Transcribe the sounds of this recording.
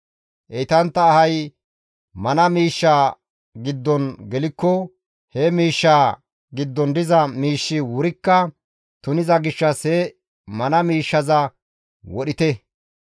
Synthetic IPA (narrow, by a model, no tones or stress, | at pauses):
ʔɛjt̪ɐnt̪ːɐːhɐj | mɐnɐmiːʃːaː | ɡɪd̪ːɔnɡɛlɪkːɔ | hɛmiːʃːaː | ɡɪd̪ːɔnd̪ɪzɐmiːʃːɪwʊɾɪkːɐ | t̪ʊnɪzɐɡɪʃːɐshɛ | mɐnɐmiːʃːɐzɐ | wɔɗɪt̪ɛ